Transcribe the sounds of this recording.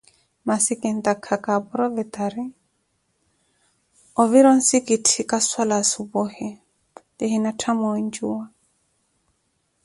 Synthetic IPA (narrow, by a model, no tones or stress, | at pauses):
masikɛnt̪akʰakabɔɾɔvɛt̪aɾi | ɔviɾɔnsikitʰikaswalasubɔhɛ | tɛhinatʰamɔɲd͡ʒuwa